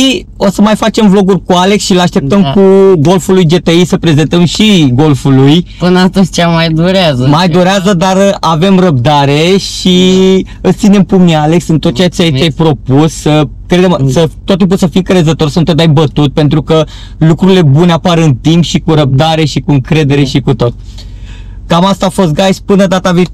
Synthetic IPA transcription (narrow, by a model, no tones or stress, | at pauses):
i | o̞səmajfat͡ʃe̞mvlo̞ɡurʲkuale̞ksʃilaʃt̪e̞p̚t̪əmkuɡo̞lfulujd͡ʒe̞t̪eisəpɾe̞ze̞nt̪əmʃiɡo̞lfulujpɨnəast̪əzʲt͡ʃamajd̪oɾeazəmajd̪oɾeazəd̪arave̞mrəb̚d̪aɾe̞ʃi | ɨt̪sine̞mpumniale̞ksɨnt̪o̞t̪̚t͡ʃeat͡ʃeait͡ʃajpɾo̞pussəkɾed̪emsət̪ot̪t̪ːimp̬usəfiŋkɾe̞zət̪o̞rsənt̪ot̪ajbət̪ut̪̚pe̞nt̪ɾukə | lukɾuɾile̞buneapaɾɨnt̪impʃikuɾəb̚d̪aɾe̞ʃikuɨŋkɾe̞d̪e̞ɾe̞ʃikut̪o̞t̪̚ | kamast̪aːfo̞st̪̚ɡajspɨnəd̪at̪avi